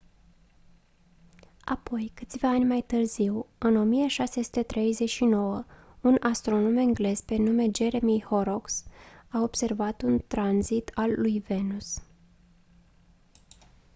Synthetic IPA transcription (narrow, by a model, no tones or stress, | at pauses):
a̰po̞jkɨt̪sʲvaanʲmajt̪ɨrziwɨno̞mijəʃase̞su̥t̪e̞t̪ɾe̞jze̞t͡ʃʃino̞wə | unast̪ɾo̞no̞mɨŋɡle̞z̥pe̞nume̞d͡ʒe̞ɾe̞miho̞ɾo̞ksao̞b̥se̞rvat̪unt̪ɾanzit̪ʰalːujve̞nus